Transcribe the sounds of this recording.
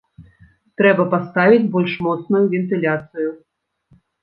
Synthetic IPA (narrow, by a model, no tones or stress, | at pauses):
t̪ɾɛbɐpast̪avʲid͡zʲbɔlʲʂmɔt̪snujuvʲɛnt̪ɨlʲat̪sɨju